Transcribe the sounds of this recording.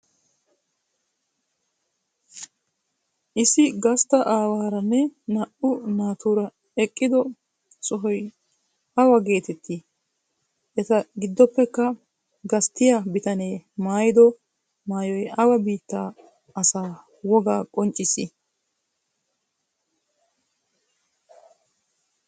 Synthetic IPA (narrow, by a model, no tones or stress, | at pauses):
ʔɪsɪɡɐst̪ɐʔaːwaːɾɐnːɛnɐʔʊnaːt̪uːɾɐ | ɛkʼːɪd̪ɔ | sɔɦɔj | ʔɐwɐɡe̞ːt̪ɛt̪ːi | ʔɛt̪ɐɡɪd̪ːɔpːɛkːɐ | ɡɐst̪ːɪjabɪt̪ɐne̞ːmaːjɪd̪ɔ | maːjɔjɐwɐbiːt̪ːaː | ɐsaː | wɔɡaːkʼɔnt͡ʃʼːɪsɪ